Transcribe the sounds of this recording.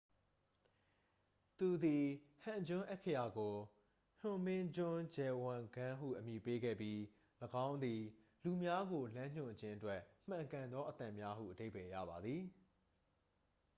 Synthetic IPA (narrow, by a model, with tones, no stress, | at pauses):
t̪u˨d̪i˨hã˨ɲd͡ʑʊ̃˦ʔɛ˦ʔkʰːə˦˨ja˨ɡo˨ | n̥ʊ̃˨mɪ̃˦d͡ʑʊ̃˦d͡ʑɛ˨wã˨ɡã˦ɦṵ˦˨ʔəmji˨pe˦ɡɛ̰˦˨pji˦ | ləɡã˦ʊ̃nd̪i˨ | lu˨mja˦ɡo˨lã˦ɲ̥ʊ̰̃˦˨d͡ʑɪ̃˦ʔətwɛ˦ʔm̥ã˨ŋkã˨nd̪ɔ˦ʔət̪ã˨mja˦ɦṵ˦˨ʔəde˦ɪpɛ˨ja̰˦˨ba˨d̪ði˨